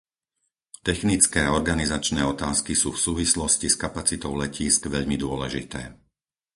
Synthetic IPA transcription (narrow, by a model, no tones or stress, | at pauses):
t̪ɛxnit͡skɛːɔɾɡanizat͡ʃnɛːɔt̪aːskisuːfsuːʋislɔsciskapat͡sit̪ɔʊlɛciːskʋɛʎmid̪ʊɔlɛʒit̪ɛː